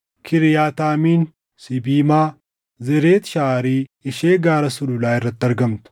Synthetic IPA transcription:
kʰɪɾɪjaːt̪aːmiːn | sɪbiːmaː | zɛɾeːt̪ʃaːɾiːɪʃeːɡaːɾɐsʊlʊlaːɪrːɐt̪ːɪɐɾɡɐmt̪ʊ̥

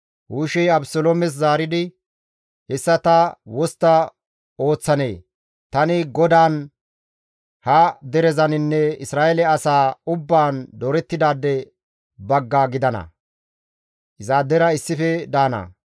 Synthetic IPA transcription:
wuːʃɛjɐbsɔloːmɛs̬zaːɾɪd̪ɪ | hɛsːɐt̪ɐwɔst̪ːɐ | o̞ːt͡sːɐne̞̰ː | t̪ɐnɪɡɔd̪aːn | hɐd̪ɛɾɛzɐnɪnːɛɪsɾaːʔɛlɛɐsaːʊbːaːnd̪ɔɾɛt̪ːɪd̪aːd̪ːɛ | bɐɡːaːɡɪd̪ɐnɐ̰ | ʔɪzaːd̪ɛɾɐɪsːɪfɛd̪aːnɐ̰

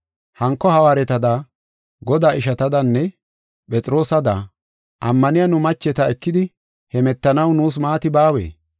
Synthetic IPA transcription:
hɐŋkːɔhɐwaːɾɛt̪ɐd̪a | ɡɔd̪aːʔɪʃɐt̪ɐd̪ɐnːɛ | pʼɛt͡sʼɪɾo̞ːsɐd̪ɐ | ʔɐmːɐnɪjanʊmɐt͡ʃːɛt̪ɐɛkːɪd̪ɪ | hɛmɛt̪ːɐnɐwnuːs̬maːt̪ɪbaːwḛː

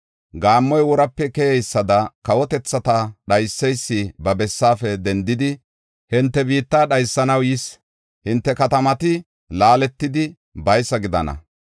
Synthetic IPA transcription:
ɡaːmːɔjwɔɾɐpːɛkɛjɛjsːɐd̪ɐkɐwɔt̪ɛt͡sːɐt̪ɐɗɐjsːɛjsːɪbɐbɛsːaːfɛd̪ɛnd̪ɪd̪ɪ | hɪnt̪ːɛbiːt̪ːaːɗɐjsːɐnɐwjɪs | hɪnt̪ːɛkɐt̪ɐmɐt̪ɪ | laːlɛt̪ːɪd̪ɪ | bɐjsːɐɡɪd̪ɐnɐ̰

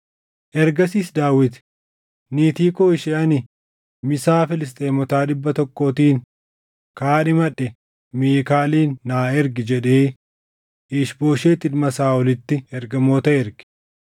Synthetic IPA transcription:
ʔɛɾɡɐsiːsd̪aːwɪt̪ | niːt̪iːkoːɪʃeɐnɪ | mɪsaːfɪlɪs̬t̪ʼeːmɔt̪aːᶑɪbːɐt̪ɔkːoːt̪iːn | kaːnɪmɐᶑɛ | miːkaːliːnːaːɛɾɡɪd͡ʒɛᶑeː | ɪːʃboːʃeːt̪ɪnmɐsaːɔlɪt̪ːɪɛɾɡɐmoːt̪ɐɛɾɡ̥ɪ̥

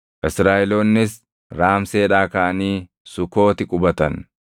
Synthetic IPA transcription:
ʔɪsɾaːʔɛloːnːɪs | ɾaːmseːᶑaːkɐʔɐniː | sʊko̞ːt̪ɪkʼʊbɐt̪ɐn

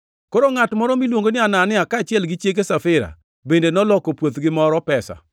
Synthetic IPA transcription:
koɾoŋatmɔɾɔmilwoŋɡonɪananɪakaːt͡ʃɪɛlɡɪt͡ʃjek̬esafɪɾa̰ | bendenɔlɔkopwot̪ɡɪmɔɾɔpɛsa̰

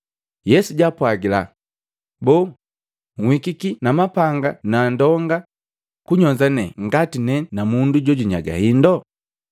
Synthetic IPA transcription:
jɛsuɟaːpwaɡila | bɔː | ŋ̩hwikikinamapaŋɡanandɔŋɡa | kuɲɔɲd͡ʒanɛŋɡatinɛnamunduɟɔɟuɲaɡa̰hindɔ

